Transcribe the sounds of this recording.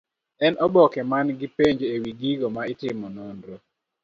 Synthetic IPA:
ɛnʔɔbɔkɛmanɡɪpeɲd͡ʒewiɡiɡomaɪtɪmɔnondɾo

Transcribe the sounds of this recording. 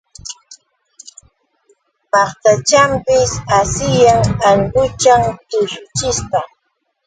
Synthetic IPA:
mɑχt̪at͡ʃampɪsasɪjaŋaŋɢʊt͡ʃaŋt̪ʊʃʊt͡ʃɪst̪a

